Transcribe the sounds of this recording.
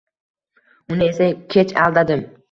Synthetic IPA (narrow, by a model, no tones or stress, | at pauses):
ʊnɪe̞sakʲʰe̞t͡ʃa̰lˠd̪ad̪ɪm